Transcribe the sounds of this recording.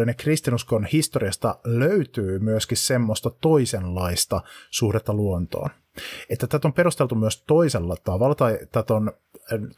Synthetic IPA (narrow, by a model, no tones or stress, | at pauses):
inekrist̪inuskonhist̪oɾiɑst̪ɑløyt̪yːmyøskissemːost̪ɑt̪o̞isenlɑist̪ɑsuhdet̪ːɑluont̪o̰ːn | et̪ːæt̪æt̪ompe̞ɾust̪e̞lt̪umyøst̪o̞iselːɑt̪ɑʋɑlːɑt̪ɑjt̪æt̪on